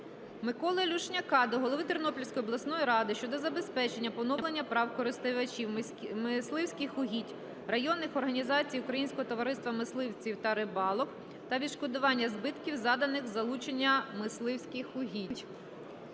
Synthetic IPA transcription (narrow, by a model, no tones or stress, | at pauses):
mɪkɔlˠɪlʲuʃnʲɐkɑd̪ɔɦɔlˠɔʋɪt̪ɪrnɔpʲilʲwsʲkɔjɔblˠɐsnɔjiɾɑd̪ɪʃt͡ʃɔd̪ɔzɐbe̞spɛt͡ʃenʲːɐpɔwnɔlˠenʲːɐpɾɑwkɔɾɪst̪ɪʋɐt͡ʃʲiw | mɪslˠɪwsʲkɪxʊɦʲitʲ | rɐjɔnːɪxɔrɦɐnʲizɑt͡sʲijukɾɐjinʲsʲkɔɦɔt̪ɔʋɐɾɪst̪ʋɐmɪslˠɪwt͡sʲiwt̪ɐɾɪbɑlˠɔk | t̪ɐʋʲid̪ʃkɔd̪ʊʋɑnʲːɐzbɪt̪kʲiwzɑd̪ɐnɪxzɐlˠut͡ʃenʲːɐmɪslˠɪwsʲkɪxʊɦʲitʲ